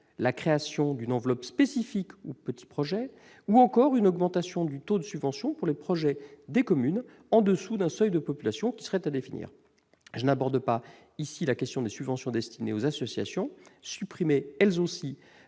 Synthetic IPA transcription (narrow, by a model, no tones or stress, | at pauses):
lakχeasjɔ̃d̪ynɑ̃vlɔpspesifikupət̪i̥pχɔʒɛ | uɑ̃kɔʁynɔɡmɑ̃t̪asjɔ̃d̪yt̪od̪əsybvɑ̃sjɔ̃puʁlepχɔʒɛd̪ekɔmyn | ɑ̃d̪əsud̪ɛ̃sœjd̪əpɔpylasjɔ̃kʲi̥səʁɛt̪ad̪efinḭːʁ | ʒənabɔʁd̪əpa | isilakʲɛst̪jɔ̃d̪esybvɑ̃sjɔ̃d̪ɛst̪ʰineozasɔsja̰sjɔ̃sypχimeɛlzosi